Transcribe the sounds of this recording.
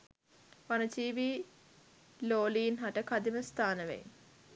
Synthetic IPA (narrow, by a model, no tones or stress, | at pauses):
ʋanət͡ʃiːʋiː | loːliːnɦaʈəkad̪iməst̪ʰaːnəʋḛj